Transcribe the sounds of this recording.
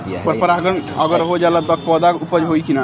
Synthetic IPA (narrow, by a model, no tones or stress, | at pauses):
pəɾpəɾaɡənəɡəɾɦod͡ʒalad̪ək̚ʰpɔd̪akupəd͡ʒɦoikina